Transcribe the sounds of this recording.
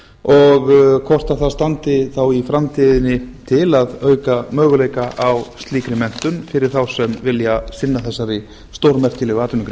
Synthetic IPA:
ɔɣkʰɔr̥t̪aθaðst̪ant̪ɪθawifɾamt̪ʰiðɪnːɪt̪ʰɪlaðœːɥkamœːɣʏlejkaʔawst̪liːkɾɪmɛn̥t̪ʏnfɪɾɪ̥θawsɛmvɪljasɪnːaθɛsːaɾɪ | st̪owɾmɛr̥cɪlɛɣʏaːt̪ʏniŋkɾ

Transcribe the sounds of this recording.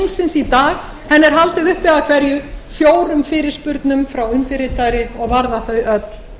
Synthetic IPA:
ŋsɪnsit̪aːɣ | hɛnːɛɾ̥ɦalt̪ɪðʏhpɪaakʰvɛɾjʏfjoːwɾʏmfɪːɾɪɾ̥spʏɾt̪nʏmfɾawʏnt̪ɪɾɪt̪aɾɪɔɣvaɾðaθœɥʔœt̪l̥

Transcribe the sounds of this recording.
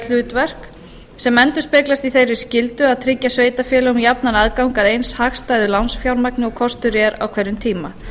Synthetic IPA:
l̥ʏːt̪vɛr̥k | sɛmɛnt̪ʏɾ̥spɪklast̪iθejɾvɪscɪlt̪ʏaðt̪ʰɾɪcːasveːjt̪afjɛːlaʊmjapnanaðkawŋkaðejnshaxst̪aːjðʏlawnsfjawɾmaknɪɔkʰɔst̪ʏɾjɛɾa̰wkʰvejɾʏmt̪ʰiːma

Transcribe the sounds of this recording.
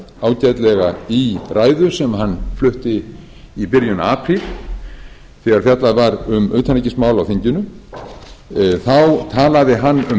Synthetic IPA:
aːwcat̪lɛɣairʔaːjðʏsɛmɦanːflʏht̪ɪ | ipɪɾjʏna̰aːpʰɾil | θɛɣaɾ̥θjat̪laðvaɾʏmʏ̰ːt̪ʰanicɪsmaːwlawθɪɲcʏnʏ | θawt̪ʰaːlaðɪɦanːʏ

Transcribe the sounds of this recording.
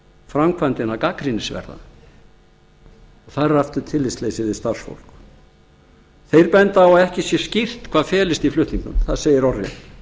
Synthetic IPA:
fɾamkʰvant̪ɪnakaːkɾinɪsvɛ̰ɾða̰ | ɔɣθaraft̪ʏt̪ʰɪlːɪslejsɪðɪst̪ar̥sfo̰wl̥k | θejɾpɛnt̪awaðɛhcɪsjɛscɪr̥t̪kʰvaːðfɛːlɪst̪iflʏht̪niŋkʏ̰mθaðseːjɪɾɔrjɛ̰n

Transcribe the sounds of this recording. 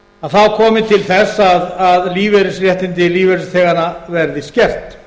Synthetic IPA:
aθawkʰɔːmɪt̪ʰɪlθɛsːaðaðliːvɛɾɪsrjɛht̪ɪnt̪ɪliːvɛɾɪst̪ʰɛːɣanavɛɾðɪscɛr̥t̪

